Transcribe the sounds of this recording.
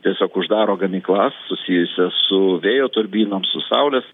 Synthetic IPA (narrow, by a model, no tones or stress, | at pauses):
t̪ʲiɛsʲoːkʊʒd̪ɑːɾoːɡɐmʲiːklˠɑsːʊsʲijʊsʲɛsʊʋʲeːjoːt̪ʊɾʲbʲiːnoːmsʊsɐʊlʲɛs